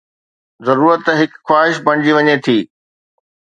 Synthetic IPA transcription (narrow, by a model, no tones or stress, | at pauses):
zɐɾuːɾət̪ɦɪkxwaːɦɪʃbʱɐɽ̃ɪd͡ʑiʋɐɲet̪ʰiː